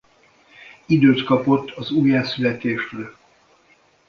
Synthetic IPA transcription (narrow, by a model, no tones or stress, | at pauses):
id̪øːt̪kɒpo̞t̪ʰːɒzuːjaːsylɛt̪eːʃtøl